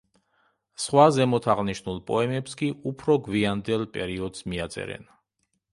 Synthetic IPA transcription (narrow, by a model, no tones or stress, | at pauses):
sχwazɛmɔt̪ʰaʁniʃnulˠpʼɔɛmɛpskʼiʔupʰɾɔɡviand̪ɛlˠpʼɛɾiɔd̪smiat̪sʼɛ̰ɾɛ̰n